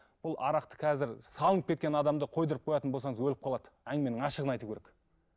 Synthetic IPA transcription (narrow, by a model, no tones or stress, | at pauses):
b̥ʊlˠɑ̰ɾɑqt̪ə̥qʰɑzɪɾsɑlˠənəp̚kʰe̞t̪kʲe̞nɑd̪ɑmd̪əqʰo̞jd̪əɾəp̚qʰo̞jɑt̪ənbolsɑɴəzwɵlɪp̚qʰɑlˠɑd̪əæŋme̞nɪŋɑʃəʁənɑjt̪ukʲʰeɾek